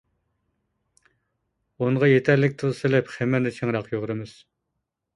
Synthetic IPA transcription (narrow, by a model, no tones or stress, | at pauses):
onʁɑjet̪ʰæɾlɪk̚ʲt̪ʰɨʁsɨlɪpχɛmɪɾnɪt͡ʃʰeŋɾɑqjoʁɾɨmɪz̥